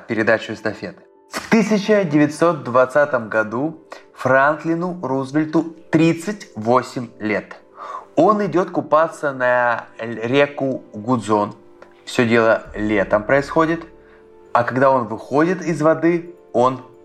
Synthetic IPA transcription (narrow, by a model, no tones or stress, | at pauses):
pʲɪɾʲɪd̪at͡ɕʊɪst̪ɐfʲe̞t̪ | ft̪ɨsʲɪt͡ɕɪdʲɪvʲɪtʲso̞t̪̚d̪vɐt̪sat̪əmɡɐd̪ufɾant̪lʲɪnʊɾuzvʲɪlʲt̪ʊt̪ɾʲit̪sɨtʲvo̞sʲɪmʲlʲe̞t̪ | o̞nɪdʲo̞t̪kʊpat̪sənɐ | ɾʲekʊɡʊd̪zo̞n | fsʲɵdʲe̞lˠəlʲe̞t̪əmpɾəɪsxo̞dʲɪt̪ | ɐkɐɡd̪ao̞nvɨxo̞dʲɪt̪ɪzvɐd̪ɨ | o̞n